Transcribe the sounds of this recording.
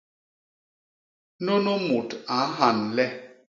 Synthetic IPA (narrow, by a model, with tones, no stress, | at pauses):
no˦no˦mu˨ta˨˦ɦa˨n̩˨lɛ˦